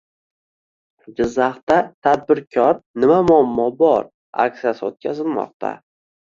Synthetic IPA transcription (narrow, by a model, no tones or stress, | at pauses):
d͡ʒɪzːaχt̪at̪ʰad̪̚bɪɾkʲʰɒɾnɪmamʊamːɒbɒɾ | a̰kʲsijasɪot̪̚kʲʰazɪlˠmɒ̰q̚t̪ʰa̰